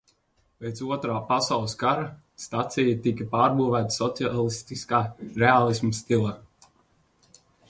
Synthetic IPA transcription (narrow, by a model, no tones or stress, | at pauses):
pʲejt̪suɔt̪ɾaːpasawlˠɨskaɾa | st̪at̪sijat̪ikapaːɾbuːvæːt̪ḁsɔt̪sialˠist̪iskaːɾealˠismust̪ilˠa